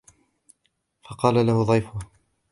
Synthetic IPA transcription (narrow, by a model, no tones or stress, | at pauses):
fɑqɑːlalahʊðˤɑjfʊh